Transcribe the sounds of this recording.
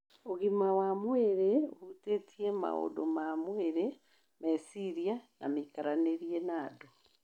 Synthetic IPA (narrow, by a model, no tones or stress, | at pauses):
oɣimawamweɾeohutetiema̰o̰do̰mamweɾe | mesiɾijana̰mikaɾaneɾienaːdo